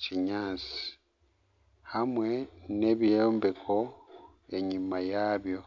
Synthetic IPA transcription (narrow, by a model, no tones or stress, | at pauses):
ciɲaːt͡si̥ | hamwe̞ne̞βiloːmbe̞kʰo̞ | e̞ɲimajaːβjo̞